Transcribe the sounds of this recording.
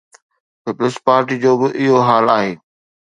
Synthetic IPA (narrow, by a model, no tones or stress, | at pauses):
pɪpləspaːɾʈiːd͡ʑoːbɪʔɪɦoɦaːlaːɦeː